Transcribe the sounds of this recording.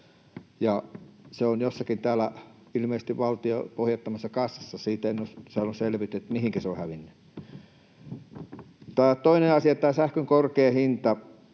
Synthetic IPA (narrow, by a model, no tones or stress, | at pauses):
jɑseonjosːɑkint̪æːlæ | ilmeises̆t̪iʋʋɑlt̪io̰pohjɑt̪ːɑmɑsːɑkɑsːɑ̥sːɑsiːt̪enːossɑlːusselʋit̪yet̪mihiŋkæseo̰hæʋinːy | t̪ɑːt̪oineɑsiɑt̪ɑːˑsæhkøŋkorkeːhint̪ɑ